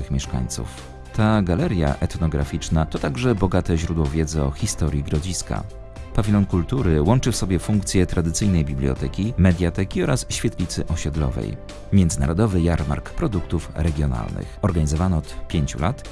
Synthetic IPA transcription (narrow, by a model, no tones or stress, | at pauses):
ɘxmʲjɛʂka̰ɲt̪sṵf | t̪aɡalɛɾʲja̰ʔɛt̪nɔɡɾa̰fʲit͡ʂnat̪ɔt̪aɡʐɛbɔɡat̪ɛʑɾud̪wɔvʲjɛd̪zɔxʲist̪ɔɾʲjiɡɾɔd͡ʑiska̰ | pavʲilɔnkult̪uɾɘwɔnt͡ʂɘfsɔbʲjɛfuŋkt̪sʲjɛt̪ɾad̪ɘt̪sɘjnɛjbʲiblʲiɔ̰t̪ɛkʲimɛd̪ʲjat̪ɛkʲiɔɾasɕfʲjat̪lʲit̪sɘʔɔɕɛd̪lɔ̰vɛ̰j | mʲjɛnd̪zɘna̰ɾɔd̪ɔvɘjaɾma̰ɾkpɾɔd̪ukt̪ufɾɛɡʲjɔna̰lnɘ̰xɔɾɡaɲizɔvanɔɔt̪pʲjeɲt͡ɕulat̪